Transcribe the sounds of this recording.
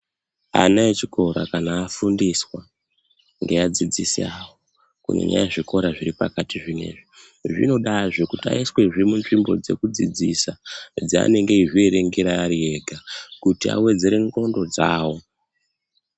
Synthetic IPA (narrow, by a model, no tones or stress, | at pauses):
a̰naet͡ʃiko̞ɾa̰kanaːfundiswa | ŋɡe̞ad͡zid͡zisiawo | kṵnḛɲa̰jaʐiko̞ɾaʐiɾipakatiʐime̞̰ʐi | ʐḭno̞ɗaʐokutia̰iswe̞ʐiimunʐimbo̞̰d͡ze̞̰kud͡zid͡zisad͡zia̰ne̞ŋɡeiʐie̞ɾe̞ŋɡeɾaːɾie̞ɡʱakutia̰we̞d͡ze̞ɾe̞ŋɡo̞ndo̞d͡za̰ːwo̞